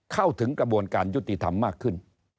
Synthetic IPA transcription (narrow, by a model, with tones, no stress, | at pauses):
kʰa˥˩wt̪ʰɯ˩˦ŋkɾa˧bu˨˧ənkaː˨nju˦˥t̪ːi˧t̪ʰa̰˧mːaː˥˩kʰːɯ˥˩n